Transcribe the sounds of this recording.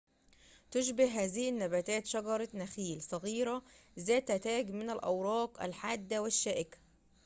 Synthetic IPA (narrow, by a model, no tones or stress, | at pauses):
t̪ʊʃbɪhɦæːzihɪnːæbæːt̪æːt̪ʃɑɡɑɾˤɑnæxiːlsˤɑɣiːɾæzæːt̪æt̪æːɡmɪnælʔæwɾˤɑːqʔæ̰lħaːd̪ːæwɪʃːæːʔɪkæ̥